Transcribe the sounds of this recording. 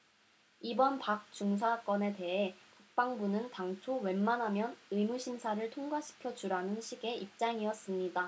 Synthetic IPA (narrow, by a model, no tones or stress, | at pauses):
ibʌnpak̚t͡ɕuŋsʰak͈ʌne̞te̞ɦe̞pak̚p͈aŋbunɯntaŋt͡ɕʰowe̞nmanɦamjʌnɯjmuɕʰimsʰaɾɯɭtʰoŋɡwaɕʰi̥kʰjʌd͡ʑuɾanɯnɕʰiɡe̞ʔip̚t͡ɕ͈aŋiʌs͈ɯmɲida